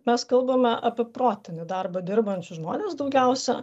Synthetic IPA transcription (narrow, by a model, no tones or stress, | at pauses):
mʲɛskɐlˠbɐmʲɛʔɐpʲɪpɾoːt̪ʲɪnʲɪd̪ɐrbɐd̪ʲɪɾbɐnʲt͡ʃʲʊʒmo̰ːnʲeːsd̪ɒʊɡʲɛʊsʲɛ̰